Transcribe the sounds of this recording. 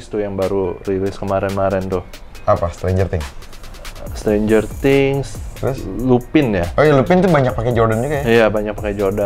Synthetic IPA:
st̪ujaŋbaɾurilɪskəmaɾɛnmaɾɛnt̪ʊh | apast̪ɾeɲd͡ʒərt̪ɪŋ | st̪ɾend͡ʒərt̪ɪŋslslupɪnjaojalupɪnt̪ubaɲak̚pakɛd͡ʒɔrdand͡ʒukajajabaɲak̚pakɛd͡ʒorda

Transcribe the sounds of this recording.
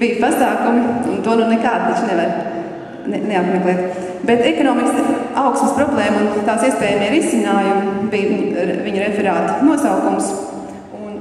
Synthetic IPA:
b̥iːjpasaːkumiunt̪uɔnunekaːd̪t̪at͡ʃnɛʋaɾ | nneap̪meklˠɛːt̪ | bet̪ɛkɔnɔːmiksaʊksməspɾɔblˠɛːmunt̪aːsiɛspɛːjamiːɾisinaːjumbijviɲuɾɛfɛɾaːt̪nuɔsawkums | un

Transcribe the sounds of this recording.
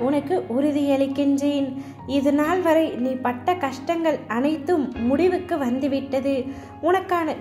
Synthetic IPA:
ʊnɐkːɯʔʊɾʊðɪjɐɭɪkːɪɲd͡ʒeːn | ɪðɐnaːlʋɐɾɐɪniːpɐʈːɐkɐʂʈɐŋɡɐɭɐnɐɪt̪ːɯmːʊɽɪʋɯkːɯʋɐnd̪ɯʋɪʈːɐðɯ | ʊnɐkːaːnɐ

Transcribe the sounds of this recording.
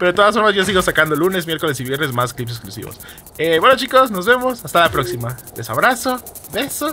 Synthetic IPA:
peɾoet̪oasfoɾmazʝos̬iɣo̞sakand̪o̞lune̞szmje̞ɾko̞lesiβje̞ɾne̞zmasklipseksklusḭβo̰s | ebwenot͡ʃiko̞sno̞zβe̞mo̞sast̪alapɾo̞ksimad̪esaβɾaso̞ | beso

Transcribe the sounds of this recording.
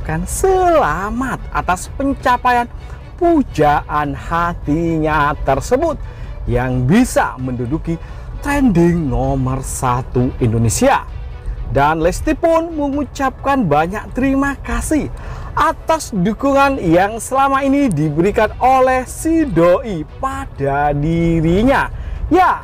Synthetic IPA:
kansəlamat̪̚ʔa̰t̪aspəɲt͡ʃapajan | pud͡ʒaʔanhat̪iɲat̪ərsəbʊt̪̚jaŋbisa̰mənduduki | t̪ɾɛndɪŋnomərsat̪uindonesia | danlɛst̪ipʊnməŋut͡ʃap̚kanbaɲak̚t̪əɾimakasɪhʔat̪asdukuŋanjaŋsəlamainidibəɾikanolɛhsidoʔipad̥adiɾiɲaja

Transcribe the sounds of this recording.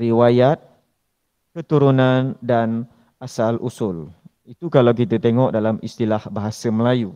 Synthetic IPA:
ɾiwajat̪̚ | kət̪uɾunãndan | asalʔṵsʊl | it̪ukalawk̬it̪at̪eŋɔʔdalamist̪ilahbaɦasaməlaju

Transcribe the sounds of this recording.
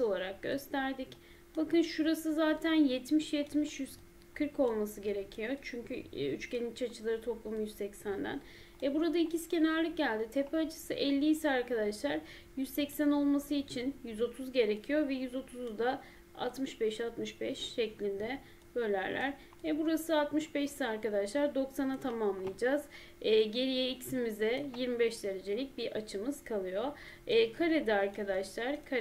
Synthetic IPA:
so̞lˠaɾak̚ɟ̥ø̞̰st̪ʰæɾd̪ic | bakɯnʃuɾasɯzaːt̪ʰænjɛt̪miʃjɛt̪miʃjyz | kʰɯɾko̞lˠmasɯɟe̞ɾe̞cʰijo̞t͡ʃʰyɲcʰyyt͡ʃcenit͡ʃʰat͡ʃʰɯlˠaɾɯt̪ʰo̞plˠumjyzsɛcsænd̪æ̰n | vɛbuɾad̪aicʰiscʰe̞næɾlʲic̚ɟælʲd̪it̪ʰepʰɛat͡ʃʰɯ̥sɯʔɛlʲːiːsɛaɾkad̪aʃlˠaɾ | jyzsɛcsæno̞lˠmasɯit͡ʃʰinjyzo̞t̪ʰuzɟe̞ɾecʰijo̞vɛjyzo̞t̪ʰuzd̪a | a̰t̪mɯʃbɛʃat̪mɯʃbɛʃʃɛclʲind̪ɛ | bø̞lʲæɾlʲæ̰ɾ | vɛbuɾasɯat̪mɯʃbɛʃi̥siaɾkad̪aʃlˠaɾd̪o̞ksanat̪ʰamamlˠɯjad͡ʒaz̥ː | ɟe̞ɾijɛicsimizɛjiɾmibɛʃd̪e̞ɾe̞d͡ʒe̞lʲic̚biʔat͡ʃʰɯmɯz̥kʰalˠɯjo̞ː | kʰaɾed̪iaɾkʰad̪aʃlˠaɾkʰa

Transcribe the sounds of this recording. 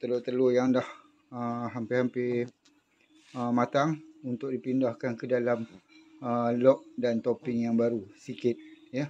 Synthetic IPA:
t̪əlot̪əlojaŋdah | əɦampɪhampɪ | əmat̪aŋunt̪ʊk̚dipindahkankədalaməlɔk̚dant̪opɪŋjaŋbaɾusikɪt̪̚jə

